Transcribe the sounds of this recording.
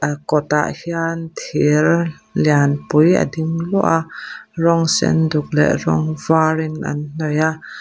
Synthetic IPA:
ʔakɔt̪a̰ʔhiant̪ʰillianpujə̰dimlɔʔaʔrɔŋsɛ̰nduk̚lɛ̰ʔrɔŋvaɾinʔa̰nn̥ɔjaʔ

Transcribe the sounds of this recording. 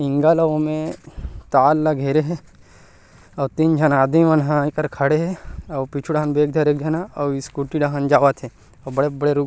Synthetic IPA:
ɪŋɡalɐʋomẽt̪aːlːaɡʱeːɾeɦe | ɔːt̪ind͡ʒʱɐnaːd̪miʋɐnɦãkɐɾkʰɐɽeɦeɐpit͡ʃʰuɽaɦanbeːk̚d̪ʱɐɾeːk̚d͡ʒʱɐnaɐiskuʈiɖaɦãnd͡ʒaːʋat̪ʰe | ɔbɐɽebɐɽeɾu

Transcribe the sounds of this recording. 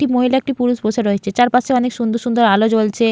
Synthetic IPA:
ʈimoɦilaek̚ʈipuɾuʃboʃaɾoet͡ɕʰet͡ɕaɾpaʃʰeɔnekʃund̪oɾʃund̪oɾalod͡ʑolt͡ɕʰe

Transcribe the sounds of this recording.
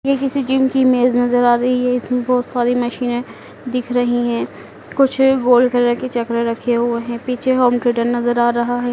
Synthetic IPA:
jekɪsid͡ʒimkimeːznɐzəɾaːɾɐɦiɦɛɪsmẽbɔːt̪saːɾimɐʃiːnẽ | d̪ɪkʰɾɐɦiɦɛ̃ː | kʊt͡ʃʰɡoːlkəɾɾɐket͡ʃɐkɾeɾɐkʰeɦʊeɦɛ̃piːt͡ʃʰeɦoːmʈɾeːɖəɾnɐzəɾaːɾɐɦaɦɛː

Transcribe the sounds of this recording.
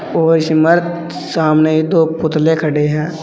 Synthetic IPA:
oːɾʃɪməɾt̪ | saːmneɦid̪oːpʊt̪lẽkʰəɽeɦɛ̃ː

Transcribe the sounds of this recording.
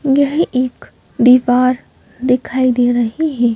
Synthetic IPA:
jɐɦiʔeːk | d̪iːʋaːɾ | d̪ɪkʰaːid̪eːɾɐɦiɦɛː

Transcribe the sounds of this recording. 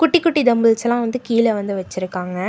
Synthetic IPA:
kʊʈːikːʊʈːid̪ɐmbɯlt͡ʃɐlãːʋɐnd̪ɯkiːlɛʋɐnd̪ɯʋɐt͡ʃːɪɾɯkːaːŋɡɐ

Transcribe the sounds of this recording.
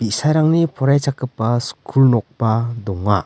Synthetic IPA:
b̥isajɾaŋnipʰɔɾajt͡ʃakɯpːaskʰulnɔk̚pad̪ɔŋːa̰

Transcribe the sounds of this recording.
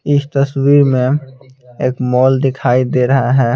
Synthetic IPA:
ɪst̪əswiːɾmẽ | eːkmɔːld̪ɪkʰaːid̪eːɾɐɦaɦɛː

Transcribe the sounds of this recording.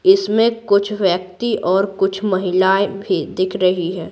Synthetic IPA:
ɪsmẽkʊt͡ʃʰʋjək̚t̪iʔɔːɾkʊt͡ʃʰmɐɦɪlaːebʱid̪ɪkʰɾɐɦiɦɛː

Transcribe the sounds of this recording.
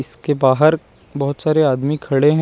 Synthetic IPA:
ɪskebaːɦəɾ | bɐɦʊt̪saːɾeaːd̪mikʰɐɽeɦɛ̃

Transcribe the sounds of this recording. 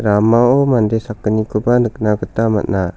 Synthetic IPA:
ɾamaomandesakːənikubanəknaɡət̪ama̰na

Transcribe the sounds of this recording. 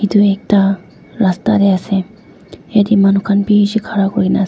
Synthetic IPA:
id̪uek̚t̪a | ɾast̪ad̪easẽ | jad̪imanukʰanpiːɕikʰaɾakoina

